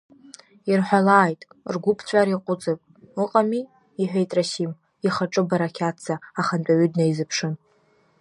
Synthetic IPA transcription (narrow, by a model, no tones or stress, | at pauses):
irħʷalaːjtʼ | rɡʷʊpʰt͡ɕʷʼaɾiqʼʊt͡sʼɨpʼ | ɨqʼamiː | ħʷᶣejtʼrasim | iχaʈ͡ʂʼɨbaɾakʲʰatt͡saaχant͡pʷʼaɥʏdnaizɨpʰʂɨn